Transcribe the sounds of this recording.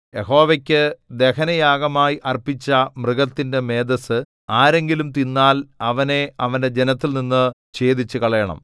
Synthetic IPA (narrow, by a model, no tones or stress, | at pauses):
je̞ɦo̞ːʋɐkʲːɨd̪e̞kɐnɐjaːɡɐmaːjiʔɐrpit͡ɕːɐmrɨɣɐt̪ːinde̞me̞ːd̪ɐsɨ | aːɾe̞ŋɡilumt̪inːaːlɐʋɐne̞ɐʋɐnde̞d͡ʑenɐt̪ːilninːɨ | t͡ɕeːd̪it͡ɕːukɐɭɐjɐɳɐ̰m